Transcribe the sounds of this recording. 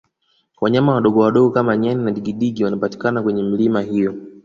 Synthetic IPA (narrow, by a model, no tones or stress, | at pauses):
waɲamawaɗɔɡɔwaɗɔɡɔkamaɲaninaɗiɡiɗiɡiwanapati̥kanakwɛɲɛm̩limahijɔ